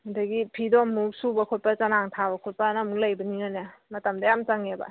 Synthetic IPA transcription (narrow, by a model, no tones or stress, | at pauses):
udaɡipʰidɔmuksubɐkʰɔt̚pat͡ʃanaŋtʰabɐkʰɔt̚panamulajbɐniɔnamɐtɐmdɐjamt͡ʃaŋebɐ̰